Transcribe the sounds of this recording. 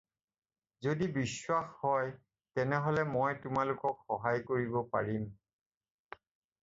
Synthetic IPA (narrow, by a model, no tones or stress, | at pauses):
zodibiswaxhɔj | tɛnɛɦɔlɛmɔjtʊmalʊkɔkxɔɦajkoɹibɔpa̰ɹim